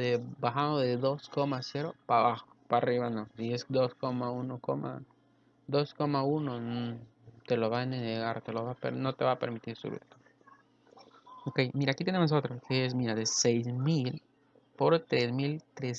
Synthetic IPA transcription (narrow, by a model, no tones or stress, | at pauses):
ðebaxand̪oðeðo̞sko̞mase̞ɾo̞paβaxopariβanõsiesd̪o̞sko̞maunoko̞mʔa̰ | d̪o̞sko̞mauno̞ | t̪e̞lo̞βaeneneɣaɾt̪e̞lo̞βapḛno̞t̪e̞βape̞ɾmit̪iɾsṵβḭt̪o | oke̞jmiɾaːkit̪enemo̞s̬o̞t̪ɾokʰees̬miɾaðe̞sejzmil | po̞ɾt̪ɾesmilt̪ɾes